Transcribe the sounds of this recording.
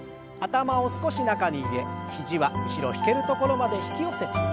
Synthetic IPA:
at̪amao̞sɨ̥ko̞ɕinakaɲ̟iːɾe̞çiʑiβaiɕiɾo̞̰çi̥ke̞ɾɯ̟t̪o̞ko̞ɾo̞mad̪e̞çi̥kʲio̞se̞t̪ḁ

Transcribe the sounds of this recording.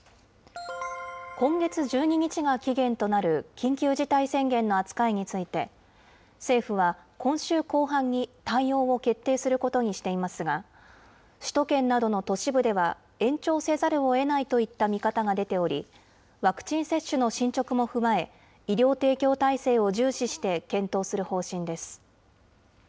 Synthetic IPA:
kõ̞ŋɡe̞t͡sɨʑɨːɲ̟iɲ̟it͡ɕiɡakʲiɡẽ̞nt̪o̞naɾɯ̟kʲĩŋkʲɨːʑit̪aisẽ̞ŋɡẽ̞nːo̞at͡sɨ̥kaeɲ̟it͡sɨit̪e̞ | se̞ːɸɯ̟β̞akõ̞ɰ̃ɕɨːko̞ːɦãɲ̟ːit̪ãijo̞ːo̞ke̞t̪ːe̞ːsɨɾɯ̟ko̞t̪o̞ɲ̟iɕi̥t̪e̞imasɨɡa | ɕi̥t̪o̞kẽ̞nːad̪o̞no̞t̪o̞ɕibɯ̟d̪e̞βa | ẽ̞ɲ̟t͡ɕo̞ːse̞zaɾɯ̟o̞e̞nait̪o̞it̪ːamʲikat̪aɡad̪e̞t̪e̞o̞ɾʲḭ | βakɯ̟̥t͡ɕĩɰ̃se̞ɕːɨno̞ɕĩɲt͡ɕo̞kɯ̟mo̞ɸɯ̟mae̞ | iɾʲjo̞ːt̪e̞ːkʲo̞ːt̪aise̞ːo̞ʑɨːɕiɕi̥t̪e̞kẽ̞nt̪o̞ːsɨɾɯ̟ho̞ːɕĩnd̪e̞sɨ̥

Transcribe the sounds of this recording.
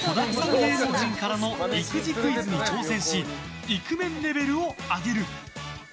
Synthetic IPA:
tod̪ak̪ok̪eːzokɯʑĩŋkaɾano̞ikɯ̟ʑikɯ̟it͡sɨɲ̟it͡ɕo̞ːsẽ̞ɰ̃ɕi | ikɯ̟mẽ̞nɾe̞be̞ɾɯ̟oaɡe̞ɾɯ̟

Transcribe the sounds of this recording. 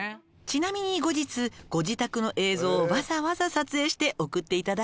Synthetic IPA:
t͡ɕinamʲiɲ̟iɡo̞d͡ʑit͡sɨɡ̥o̞d͡ʑit̪akɯ̟no̞ʔe̞ːzo̞ːbazaβazasat͡sɨe̞ːɕi̥t̪e̞ʔo̞kɯ̟t̪ːe̞it̪ad̪a

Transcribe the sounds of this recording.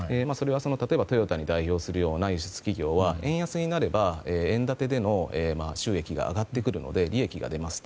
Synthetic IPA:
emaso̞ɾe̞βaso̞not̪at̪o̞ebat̪o̞jo̞t̪aɲ̟id̪aiço̞ːsɨɾɯ̟jo̞ːnajɯɕɨ̥t͡sɨ̥kʲiɡʲo̞ːβaẽ̞ɰ̃jasɨɲ̟inaɾe̞baeːẽ̞nd̪at̪e̞d̪e̞no̞eːmaɕɨːe̞kʲiɡa̰ːɡat̪ːe̞kɯ̟ɾɯ̟no̞̰d̪e̞ɾʲie̞kʲiɡa̰d̪e̞masɨ̥

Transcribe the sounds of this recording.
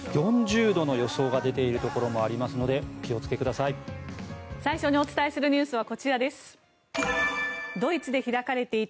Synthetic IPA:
jõ̞ɲd͡ʑɨːd̪o̞no̞jo̞so̞ːɡad̪e̞t̪e̞iɾɯ̟t̪o̞ko̞ɾo̞mo̞aɾʲimasɨno̞d̪e̞kʲio̞t͡sɨ̥ke̞kɯ̟d̪asai | saiɕoɲ̟io̞t͡sɨ̥t̪aesɨɾɯ̟ɲ̟ɨːsɨβ̞ako̞t͡ɕiɾad̪e̞sɨ̥ | d̪o̞it͡sɨd̪eçiɾakaɾe̞t̪e̞i

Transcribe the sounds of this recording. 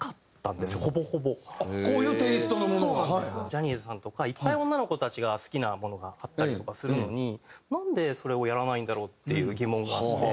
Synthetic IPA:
kat̪ːã̰nd̪e̞sɨjoho̞bo̞ho̞bo̞koːjɯ̟ːt̪eːsɨ̥t̪onomonoesnd͡ʑaɲ̟izɨsãnt̪o̞kaipːaiõnːano̞ko̞t̪at͡ɕiɡasɨ̥kʲinamo̞no̞ɡaːt̪ːaɾʲit̪o̞kasɨɾɯ̟no̞ɲ̟inãnd̪e̞so̞ɾe̞o̞jaɾanaĩnd̪aɾo̞ːt̪ːe̞jɯ̟ːɡʲimõ̞ŋɡaːt̪ːe

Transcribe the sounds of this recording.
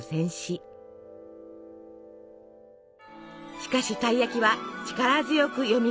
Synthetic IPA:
sẽ̞ɰ̃ɕi | ɕi̥kaɕit̪aijakʲiβat͡ɕi̥kaɾazɨjo̞kɯ̟jo̞mʲi

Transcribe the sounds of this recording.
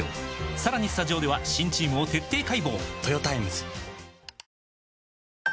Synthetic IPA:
saɾaɲ̟isɨ̥t̪aʑo̞ːd̪e̞βaɕĩɲ̟t͡ɕiːmɯ̟ot̪e̞t̪ːe̞ːkaibo̞ːt̪o̞jo̞t̪aemɯzɨ̥

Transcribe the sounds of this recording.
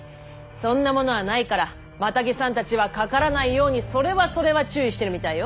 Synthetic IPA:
sõ̞nːamo̞no̞βanaikaɾa | mat̪aɡʲisãnt̪at͡ɕiβakakaɾanaijo̞ːɲ̟iso̞ɾe̞βaso̞ɾe̞βat͡ɕɨːiɕi̥t̪e̞ɾɯ̟mʲit̪aijo

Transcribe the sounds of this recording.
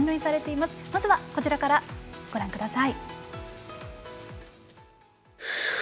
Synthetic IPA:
ɲʲoɲisaɾe̞t̪e̞imasɨ̥mazɨβako̞t͡ɕiɾakaɾaɡ̥o̞ɾãŋkɯ̟d̪asai

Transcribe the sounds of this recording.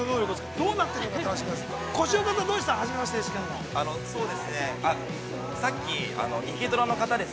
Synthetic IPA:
onoːɾʲokɯskd̪o̞ːnat̪ːeɾokaimasako̞ɕiokat̪ad̪oːɕi̥t̪aɾaɦaʑimaaɕit̪eesi̥kẽnːoano̞so̞ːd̪e̞sɨne̞a | sakʲːia̰no̞ʔikʲet̪oɾono̞kat̪ad̪e̞

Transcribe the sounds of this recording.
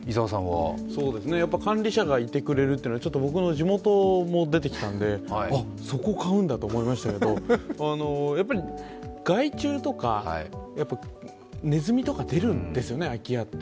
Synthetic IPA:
izaːsãɰ̃βa̰so̞ːd̪e̞sɨne̞japːakãnɾʲiɕaɡait̪e̞kɯ̟ɾe̞ɾɯt̪eɯnoat͡ɕo̞t̪ːobo̞kɯ̟no̞d͡ʑʑimo̞t̪o̞mo̞d̪e̞t̪̬e̞kʲi̥t̪ãnd̪e̞a | so̞ko̞kaɯ̟̃nd̪at̪o̞ːmo̞imaɕi̥t̪ake̞d̪o̞ano̞japːaɾʲi | ɡ̥ait͡ɕɨːt̪o̞kajapːa | ne̞zɨmʲit̪o̞kad̪e̞ɾɯ̟̃nd̪e̞sɨjo̞ne̞akʲiat̪ːe̥

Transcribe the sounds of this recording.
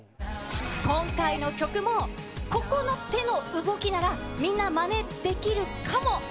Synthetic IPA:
kõ̞ŋkaino̞kʲo̞kɯ̟mo̞ | ko̞ko̞no̞t̪e̞no̞ɯ̟ɡo̞kʲinaɾamʲĩnːamane̞d̪̥e̞kʲiɾɯ̟kʰamo̞

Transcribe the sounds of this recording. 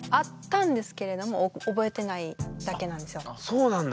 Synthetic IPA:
at̪ːãnd̪e̞sɨ̥ke̞ɾe̞d̪o̞mo̞obo̞e̞t̪e̞naid̪̥ake̞nãnd̪e̞sɨjosoːnãnd̪

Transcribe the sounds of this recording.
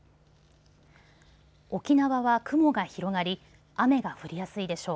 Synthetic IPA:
o̞kʲinaβaβakɯ̟mo̞ɡaçiɾo̞ɡaɾʲi | ame̞ɡaɸɯ̟ɾʲijasɨid̪e̞ɕo̞ː

